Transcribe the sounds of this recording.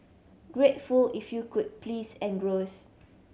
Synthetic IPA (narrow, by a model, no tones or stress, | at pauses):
ɡ̥ɹetfulifjukud̚plisɛ̃nɡɹos